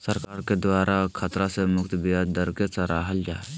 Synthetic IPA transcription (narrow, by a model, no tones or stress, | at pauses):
səɾkaːɾked̪waːɾʔakʰat̪ɾasemʊkt̪bijad̪əɾkesaɾaːɦəld͡ʒaːe